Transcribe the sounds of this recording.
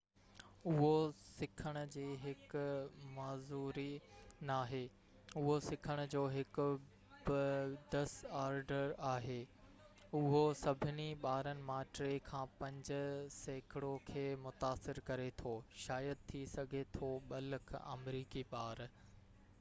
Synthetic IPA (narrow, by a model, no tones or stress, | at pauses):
ʊɦosɪkʰəɽ̃ʊ̆d͡ʑeːɦɪkʊmaːzuːɾinaːɦeː | ʊɦosɪkʰəɽ̃ʊ̆d͡ʑoːɦɪkʊ | bɪd̪ɐsaːɾɖəɾaːɦeː | ʊɦosɐbʱɪniɓaːɾənɪ̆maːʈɾekʰãːpɐ̃ɲd͡ʑʊ̆seːkʰɪɽokʰeːmʊt̪aːsɪɾkɐɾet̪ʰoːʃaːjəd̪̚t̪ʰːisɐɡʱet̪ʰoɓɐləkʰɐ̰mɾiːkipaːɾ